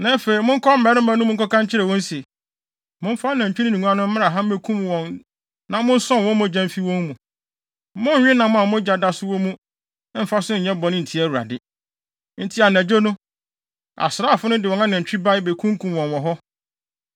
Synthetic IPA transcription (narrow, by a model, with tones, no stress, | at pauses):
nã˦fe˨i˨˦mʊ̃˦ŋ̩˦kʰɔ˦m̩˦mɛ˨˦ɾɪ˦mã˨˦nʊ̃˦mʊ̃˦ŋ˦kɔ˦kã˦ɲ̩˦t͡ɕʰɪ˦ɾɛ˨wɔ̃˦nse˨ | mʊ̃˦m˦fa˦nã˨ɲ̩˨t͡ɕᶣi˦nĩ˦nĩ˨ŋũ˨˦a˦nʊ̃˦m̩˦mã˦ɾa˨ɦã˦m̩˦e˦kʰũ˦m˨wɔ̃˨n | nã˨mʊ̃˦n̩˦sɔ̃˦n˨wɔ̃˦mã˦d͡ʑã˦m˦fi˦wɔ̃˦ŋmũ˨ | mʊ̃˦n˦ɲᶣɪ̃˦nã˨mʊ̃˦a˨mʊ̃˦d͡ʑa˨da˦sʊ˦wɔ˦mũ˦ | m̩˨fa˦sʊ̃˦ɲ̩˨ɲɛ̃˦bɔ˨nɪ̃˦n̩˨tʰi˨˦æ˦˨wu˨ɾa̰˨dɪ˦ | n̩˦tʰi˦a˨næ̃˨d͡ʑo˦nʊ̃˦ | a̰˨sɾaː˦˨fʊ˦nʊ̃˦dɪ˨wɔ˨˦ã˦nã˨ɲ̩˨t͡ɕᶣi˦ba˦ɪ˦be˨kʰũ˦ŋ˦kʰũ˨m˨wɔ̃˨nwɔ̃˨ɦɔ˦